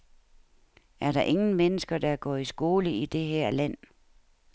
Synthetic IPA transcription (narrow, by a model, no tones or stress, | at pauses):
æɐɾɑ̈ʔe̝ŋn̩menəsɡ̥ɐd̥ɑ̈ɡ̥ɒ̰ːisɡ̥o̝ːləid̥e̝ɦæɐ̰læn̰